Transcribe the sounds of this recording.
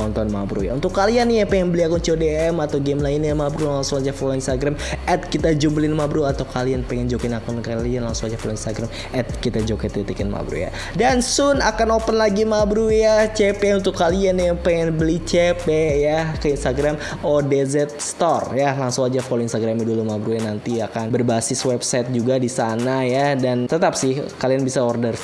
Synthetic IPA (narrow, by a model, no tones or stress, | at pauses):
ɔnt̪ɔnmabɾṵja̰unt̪ʊkːalianijapɛŋɛŋbəliakʊnt͡ʃeodeɛmat̪awɡɛmlaɪnjamabɾulaŋsʊŋad͡ʒafoloinst̪aɡɾamɛt̪̚kit̪ad͡ʒubəlɪnmabɾuat̪awkalianpɛŋɛnd͡ʒokɪnakʊnkalianlaŋsʊŋad͡ʒafoloinst̪aɡɾam | ɛt̪̚kit̪ad͡ʒokɛt̪it̪ikɪnma̰bɾṵja̰ | dansʊnakanopənlaɡimabɾujat͡ʃepɛunt̪ʊkːalianjapɛŋɛnbəlit͡ʃepɛjakəinst̪aɡɾam | odezɛt̪̚st̪ɔrjalaŋsʊŋad͡ʒafolinst̪aɡɾamidulumabɾujanant̪iakanbərbasɪswɛbsajt̪̚d͡ʒuɡadisanajadant̪ət̪apsɪhkalianbisaɔrdər